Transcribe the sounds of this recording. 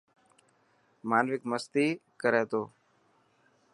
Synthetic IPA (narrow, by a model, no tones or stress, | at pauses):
maːnʋɪkməst̪iːkəɾeːt̪oː